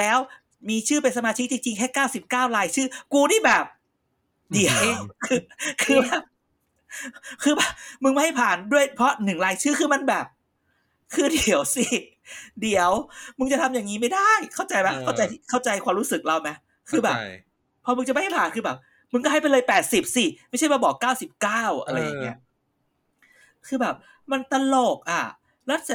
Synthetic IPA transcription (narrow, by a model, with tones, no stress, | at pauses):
lɛː˦˥w | miː˧t͡ɕʰɯː˥˩pe˧ns̬a˧maː˧t͡ɕʰi˦˥k̚t͡ɕi˧ŋt͡ɕi˧ŋkʰɛː˥˩kaː˥˩wsi˨˩p̚kaː˥˩wɾaː˧jt͡ɕʰɯː˥˩kuː˧niː˥˩bɛː˨˩p̚ | di˨˩ə˦wkʰɯː˧kʰɯː˧bɛː˨˧˩p̚ | kʰɯː˧bɛː˨˩pmɯ˧ŋma˥˩jha˥˩jpʰaː˨˩ndu˥˩əjpʰɾɔ˦˥nɯ˨˩ŋɾaː˧jt͡ɕʰɯː˥˩kʰɯː˧ma˧˥˨nbɛː˨˩p̚ | kʰɯː˧di˨˩˦əwsi˥˩ | di˨˩˦əwmɯ˧ŋt͡ɕa˨˩t̪ʰa˧mjaː˨˩ŋiː˦˥ma˥˩jda˥˩jkʰa˥˩wt͡ɕa˧jma˦˥kʰa˥˩t͡ɕa˧jtkʰa˥˩wt͡ɕa˧jkʰwaː˧mɾuː˦˥sɯ˨˩k̚la˧˩wma˦˥ | kʰɯː˧bɛː˨˩p | pʰːɔː˧mɯ˧ŋt͡ɕa˨˩ma˥˩ha˥˩jpʰaː˨˩nkʰɯː˧bɛː˨˩p̚ | mɯ˧ŋkɔ˥˩ɦa˥˩pa˧jlɤː˧jpɛː˨˩t̪̚si˨˩p̚si˧˩ma˥˩jʰa˥˩jwa˧˩bɔː˨˩kːaː˥˩wsi˨˩p̚kaː˥˩wʔa̰˧ɾa˧jːaː˨˩ŋːi˦˥ɐʔ | kʰɯː˧bɛː˨˩p̚ | ma˧nt̪a˧loː˨˩k̚ʔa˨˩ | ɾa˦˥t̪̚sa˨˧˩